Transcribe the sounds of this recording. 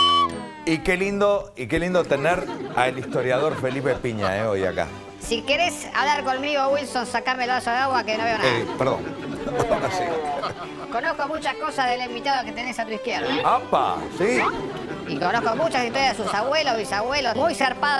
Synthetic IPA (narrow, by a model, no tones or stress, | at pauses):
ikelind̪oikelind̪ot̪eneɾa̰elist̪oɾjaðo̞ɾfe̞lipepiɲa̰eoja̰ka̰ | sikeɾe̞s | a̰βlaɾko̞nmiɣowilsonsakaɾmeelβasoðeaɣwakeno̞βeonapeɾðo̰ŋ | asi | ko̞nohkomut͡ʃahko̞sazðelimbit̪aðoket̪enesat̪uihkjeɾðaampa̰si | ikonohkomut͡ʃasit̪oɾjaðesusaβwelozβisaβwelosmujseɾpaðo